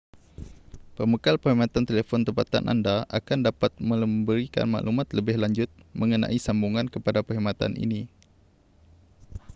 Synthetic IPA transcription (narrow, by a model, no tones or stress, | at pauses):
pəməkalpəɦimãt̪ant̪elefɔnt̪əpat̪a̰nʔa̰ndaʔakandapat̪̚mə̃ləmbəɾika̰nma̰ʔlumat̪ləbɪhlaɲd͡ʒʊt̪̚mə̃ŋənã̰ʔisambuŋankəpadapəɦimat̪a̰nʔḭni